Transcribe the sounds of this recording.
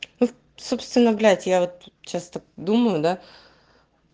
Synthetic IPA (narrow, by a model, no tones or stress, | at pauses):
nu | sopst̪vʲɪnːəvɡlʲd̪tʲjavot̪̚t͡ɕast̪akd̪uməjʊd̪a